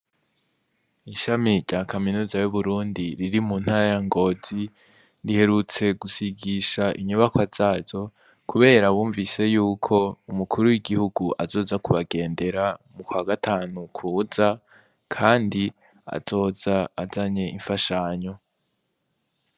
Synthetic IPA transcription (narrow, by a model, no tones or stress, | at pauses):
iʃamiɾɟakʰaminuːzajuβuɾuːndiɾiɾimuːn̥haɾajaŋɡo̞ːz̥i | ɾihe̞ɾut͡se̞ɡusiɡiʃaʔiɲuβakwaz̥aːzo̞ | kʰuβe̞ːɾaβuːɱvise̞juːkʰo̞umukʰuɾuwiɡihuɡuʔazo̞ːzakuβaɡe̞ːnde̞ɾamukwaːɡatʰaːnukʰuːza | kʰaːndi | a̰z̥o̞ːzaːzaɲe̞ʔiɱfaʃaːɲo̞